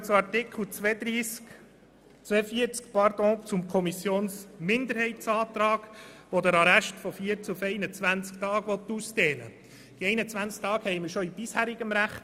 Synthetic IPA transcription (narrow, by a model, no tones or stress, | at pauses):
t͡suɑɾtɪkʰl̩t͡sʋɛːd̪ɾiːsk | t͡sʋɛfiəɾt͡skpɑɾd̥̪ɔ̃ːt͡sʊmkʰɔmisjoːnsmɪnd̪əɾhɛɪtsɑːt̪ɾɑːɡ̥ʋodəɾɑɾæʃtfɔfiːəɾt͡sufɛɪnət͡sʋænt͡sktɑːɡ̥ʋɔt̪ːuːsd̥eːnə̰ | d̥iɛɪnət͡sʋænt͡sk̚tɑːɡhɛɪməɾʃɔib̥ishæːɾɪɡəmɾæχt